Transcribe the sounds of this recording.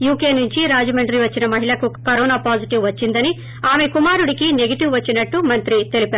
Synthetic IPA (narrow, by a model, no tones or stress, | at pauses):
juːke̞ːnuɲt͡ʃiɾaːd͡ʒɐmɐɳɖɾiʋɐt͡ʃːinɐmɐɦiɭɐkukɐɾɔːnaːpaːd͡ʒiʈiʋʋɐt͡ʃːind̪ɐni | aːme̞kumaːɾuɽikine̞ɡɐʈiʋʋɐt͡ʃːinɐʈːumɐnt̪ɾit̪e̞lipaːɾ